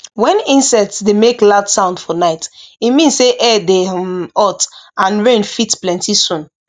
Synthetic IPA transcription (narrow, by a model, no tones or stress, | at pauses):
wɛ̃nĩnsɛk̚tsdemekladsãʊ̃ndfɔnaɪtimĩnsseʔɛdeɔtãnɹẽnfitplɛ̃ntisũn